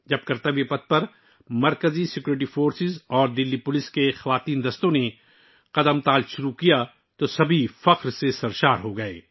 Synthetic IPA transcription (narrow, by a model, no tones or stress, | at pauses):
d͡ʒɐb̚kɐɾt̪ɐʋepɐt̪̚pɐɾ | mɐɾkəzisɪkjuːɾɪʈ̬ifoːɾsɪzɔːɾd̪ɪlːipʊlɪskexɐʋaːt̪iːnd̪ɐst̪õne | qɐd̪əmt̪aːlʃʊɾukija | t̪osɐbʱifɐqɾsesɐɾʃaːɾɦoɡɐḛː